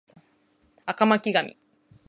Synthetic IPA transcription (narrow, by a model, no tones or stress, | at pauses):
akamakʲiɡamʲḭ